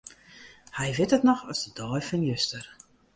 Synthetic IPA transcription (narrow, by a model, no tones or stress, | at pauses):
hɛjʋɪtətnɔxɔsdədɔːjfɔnjøstər